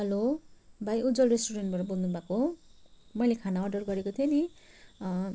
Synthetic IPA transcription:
ɦʌlobʱajud͡zʌlresʈuɾenʈbʌɾʌbolnubʱako | mʌjlekʰanaʌrɖʌrɡʌɾekot̪ʰijʌni

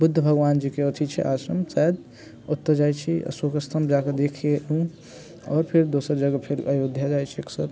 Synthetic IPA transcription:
bud̪ʱːəbʱəɡʋaːnd͡ʒikeot̪ʰit͡ʃʰɛ̰ʔa̰ːsəmsɛd̪ | ut̪ːəɾd͡ʒajt͡ʃʰḭsokəst̪ʰəmd͡ʒaked̪ekʰeũ | ɔːɾpʰeɾd̪osəɾd͡ʒəɡəpʰeɾəjud̪ʱjad͡ʒajt͡ʃʰeksəɾ

